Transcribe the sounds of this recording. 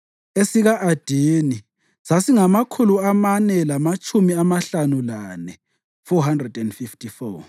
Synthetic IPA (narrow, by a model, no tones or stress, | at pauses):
esiɣaʔad̥ʱiːni | sasiŋamakʰuluamanɛlamat͡ʃʼumiamaɬanulanɛ | fɔɦandrɛdɛndfiftʰʼifɔ